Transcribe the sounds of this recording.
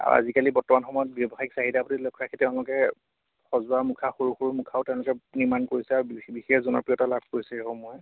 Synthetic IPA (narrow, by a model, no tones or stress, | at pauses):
a̰ɹṵa̰zikalibɔɹtɔmanxɔmɔjɔt̚bjɔbɔxaiksaɦitapɔtilɔkʰɹakʰitɛʊ̃lʊkɛ | xɔzʊwamukʰaxoɹuxoɹumukʰaʊtɛʊ̃lʊkɛnimankoɹisɛaɹubixɛzɔnɔ̰pɹijɔtalab̚ʱkoɹisɛxɔmɔjɔ